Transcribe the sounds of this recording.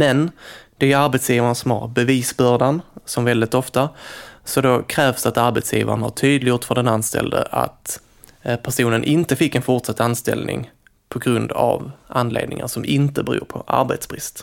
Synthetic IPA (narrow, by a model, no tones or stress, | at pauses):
mɛnd̪̥ɛæɾaɾbɛt̪sjiːvaɳasɔmha̰ɾbɛviːsbœːɖansɔmvɛld̪ɪt̪ɔft̪asɔd̪ɔkʰɾɛːvsd̪at̪aɾbɛt̪sjiːva̰ɾənhaʈʰyːd̪lɪɡjʊːt̪fœɖɛnanst̪ɛ̰ld̪ə̰ʔa̰t̪ | pʰæʂuːnənʔɪnt̪əfɪkːɛnfʊʈʂat̪ːanst̪ɛ̰lnʔɪ̰ŋ | pʰɔɡɾɵnd̪a̰vʔanːlḛːd̪nɪ̰ŋa̰ʂɔmɪnt̪əbɛɾṵːɾpʰɔʔa̰ɾbet̪sbɾɪst̪